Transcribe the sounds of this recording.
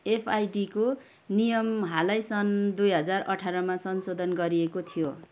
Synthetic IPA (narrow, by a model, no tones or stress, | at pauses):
epʰajɖiko | nijʌmɦalajsʌnd̪ujɦʌd͡zarʌʈʰaɾʌmasʌnsod̪ʱʌnɡʌɾiekot̪ʰijo